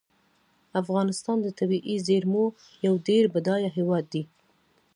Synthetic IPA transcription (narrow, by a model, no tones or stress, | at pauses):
afɣɑnɪst̪ɑnd̪ət̪abiʔizeɾmo | jawɖeɾbad̪ɑjaɦewɑd̪ːi